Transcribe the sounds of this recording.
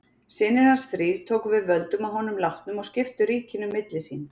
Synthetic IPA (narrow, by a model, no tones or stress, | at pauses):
sɪnːɪɾansθɾiːv̥t̪ʰoːwkvɪðvœlt̪ʏmaðɦɔnʏmlawht̪nʏmɔɣscɪft̪ʏɾiːcɪnʏmːɪt̪lɪsiːn